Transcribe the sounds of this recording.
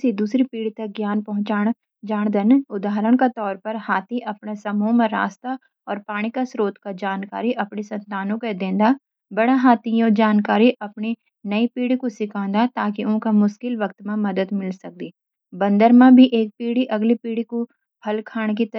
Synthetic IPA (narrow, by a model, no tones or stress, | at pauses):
sid̪uːsɾipiːɽit̪ɐk̚ɡjaːnpɐɦʊ̃t͡ʃaːɽ̃ | d͡ʒaːɽ̃d̪ənʊd̪aːɾəɽ̃kat̪ɔːɾpɐɾɦaːt̪ʰiʔɐpnesɐmumẽɾa̰ːst̪a | ɔːɾpaːɽ̃ikasɾoːt̪kad͡ʒaːnka̰ːɾiʔɐpnisɐ̃nt̪aːnõked̪ẽːnd̪a | bɐɽaɦaːt̪ʰijõːd͡ʒaːnkaːɾiʔɐpni | nɐipiːɽikosɪkʰãːnd̪at̪aːk̬iʊ̃kamʊʃkɪlʋɐk̚t̪mẽmɐd̪əd̪mɪlsɐk̚d̪iː | bɐ̃nd̪əɾmãbʱiʔeːk̚piːɽiʔɐɡlipiːɽiko | hɐlkʰaːɽ̃k̬it̪